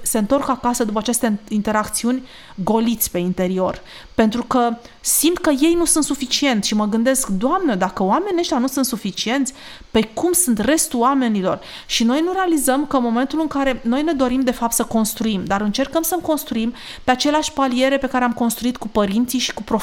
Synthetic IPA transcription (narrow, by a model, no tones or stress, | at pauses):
se̞ɨnt̪o̞rkakasəd̪up̬əat͡ʃe̞st̪eint̪e̞ɾakt̪siunʲ | ɡo̞lit̪sʲpe̞int̪e̞ɾio̞r | pe̞nt̪ɾukə | simt̪kəje̞jnusunt̪sufit͡ʃie̞nt̪sʲʃiməɡɨnd̪eskd̪oamnəd̪akəoame̞nʲeʃt̪ʲjanusunt̪sufit͡ʃie̞nt̪sʲ | pekumsunt̪re̞st̪uame̞nilo̞̰r | ʃino̞jnuɾe̞alizəmkəɨnmo̞me̞nt̪ulɨŋkaɾe̞no̞jne̞d̪o̞ɾimd̪e̞fap̚t̪səko̞nst̪ɾuimd̪aɾɨnt͡ʃe̞rkəmsəmko̞nst̪ɾuim | peat͡ʃe̞leaʃʲpalie̞ɾe̞pe̞kaɾeamko̞nst̪ɾuit̪̚kupəɾint̪siʃi̥kupɾo